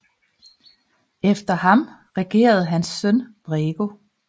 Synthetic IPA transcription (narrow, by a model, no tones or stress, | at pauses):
efd̥ɐɦɑ̈m | ʁɛɡ̥e̝̰ːɐð̞̩ˠɦænsːœnb̥ʁeːɡ̥o̝